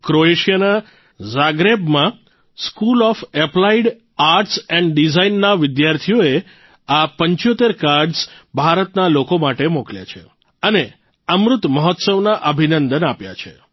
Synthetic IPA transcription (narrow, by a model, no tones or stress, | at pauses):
kɾoeʃijana | zaɡɾebmã | skulɔfeplaiɖ | aɾʈsɛ̃ɳɖɖizainːaʋɪd̪jaɾt̪ʰijoe | apə̃ɲt͡ʃjot̪eɾkaɾɖsbʱaɾət̪nalokomaʈemoklja̰t͡ʃʰḛ | əne | əmɾʊt̪məɦɔt̪səʋnaʔəbʱinənd̪ənapja̰t͡ʃʰḛ